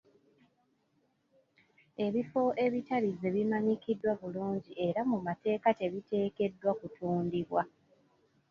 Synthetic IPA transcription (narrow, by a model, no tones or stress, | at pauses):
e̞βifo̞ʔe̞βitaɾize̞βimaɲikidːwaβuluːɲɟie̞ɾamumate̞ːkate̞βite̞ːke̞dːwakutuːndiβwa